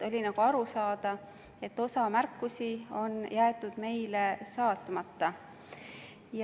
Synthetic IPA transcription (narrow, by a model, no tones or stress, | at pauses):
o̞lʲinɑɡ̥uɑɾusɑːd̪̥ɑ | e̞t̪ːo̞sɑmærkːusio̞njæːt̪ud̪̥me̞jlesɑːt̪ːˑumɑt̪ːɑ | j